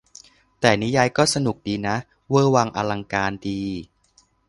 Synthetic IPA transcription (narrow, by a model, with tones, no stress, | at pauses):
t̪ɛː˨˩ni˦˥jaː˧jkɔː˥˩sa˧nu˨˩k̚diː˧na˦˥ʔ | wɤː˥˩waː˧ŋʔaː˧la˧ŋkaː˧ndiː˧